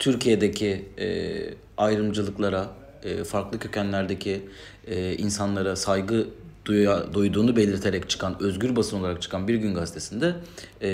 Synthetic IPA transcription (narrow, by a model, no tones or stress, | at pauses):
t̪ʰyɾcʰije̞d̪e̞cʰiɛ̰ | ajɾɯmd͡ʒɯlˠɯklˠaɾa | ɯːfaɾklˠɯcʰø̞cʰænlʲæɾd̪ecʰi | insanlˠaɾasajɡɯd̪ujad̪ujd̪uːnube̞lʲiɾt̪ʰe̞ɾɛct͡ʃʰɯ̥kʰanø̞zɟʲyɾbasɯno̞lˠaɾak̚t͡ʃʰɯ̥kʰanbiɾɟynɡazit̪ʰe̞sind̪ɛ